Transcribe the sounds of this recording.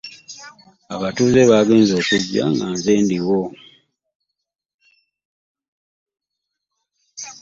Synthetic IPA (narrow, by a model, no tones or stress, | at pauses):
a̰βatuzeβaːɡe̞ːnzo̞ːkuɟːa̰ŋɡanzeːndiwo